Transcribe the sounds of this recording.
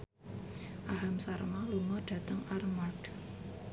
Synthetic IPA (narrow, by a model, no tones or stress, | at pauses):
ʔaɦamsarmaluŋɔɖ̥ä̤t̪əŋarmarɖ̥